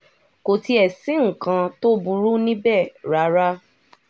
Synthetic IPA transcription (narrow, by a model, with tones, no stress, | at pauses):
ko˨ti˦ɛ˨sĩ˨˦ŋ̩˨kã˧to˦bu˧ɾu˦nĩ˦bɛ˦˨ɾa˨˦ɾa˦